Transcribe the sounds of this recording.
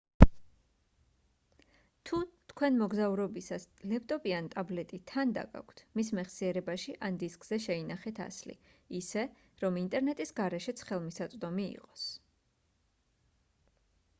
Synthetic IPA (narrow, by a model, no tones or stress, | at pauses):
t̪ʰut̪ʰkʰwɛnmɔɡzauɾɔbisaslɛp̚ʰt̪ʼɔpʼiant̪ʼablɛt̪ʼit̪ʰand̪a̰ɡa̰kʷʰt̪ʰmismɛχsiɛɾɛbaʃiʔand̪iskʼz̥ɛʃɛinaχɛt̪ʰa̰slḭː | sɛ | ɾɔmint̪ʼɛɾnɛt̪ʼisɡaɾɛʃɛt̪sʰχɛlˠmisat̪sʼd̪ɔmḭːqʼɔ̥s